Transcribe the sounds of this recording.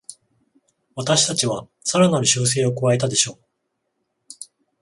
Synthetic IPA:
βat̪aɕi̥t̪at͡ɕiβa | saɾanaɾɯ̟ɕɨːs̬e̞ːo̞kɯβae̞t̪ad̪e̞ɕo̞ː

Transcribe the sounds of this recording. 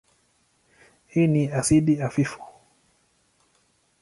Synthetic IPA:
hiːniasiɗiafifu̥

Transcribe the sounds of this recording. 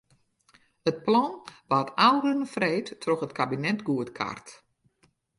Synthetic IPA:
ət̚plɔnʋatawɾənəfreːtːʰroxətkʰabinɛtɡuətkʰa̰rt

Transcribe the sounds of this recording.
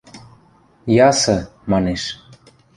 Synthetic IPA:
jɑsɤ̆mɑneʃ

